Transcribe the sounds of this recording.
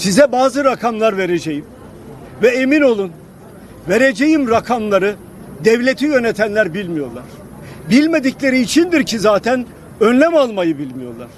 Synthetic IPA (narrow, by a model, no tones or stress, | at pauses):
sizɛbaːzɯɾakʰamlˠaɾve̞ɾed͡ʒejim | vɛemino̞lˠun | veɾed͡ʒejimɾakʰamlˠaɾɯ | d̪ɛvlʲet̪ʰijø̞net̪ʰænlʲæɾbilʲmijo̞ɾlˠaɾ̥ | bilʲme̞d̪iclʲe̞ɾiːt͡ʃʰind̪iɾcʰizaːt̪ʰæn | ønlʲæmalˠmajɯbilʲmijo̞ɾlˠaɾ̝̥